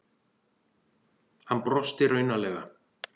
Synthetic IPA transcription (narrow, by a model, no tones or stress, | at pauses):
hanpɾɔst̪ɪɾœɥnalɛːɣa